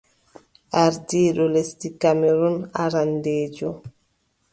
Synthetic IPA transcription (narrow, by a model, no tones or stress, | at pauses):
ʔaɾdiːɗɔlestikamɛɾunaɾandeːd͡ʒɔ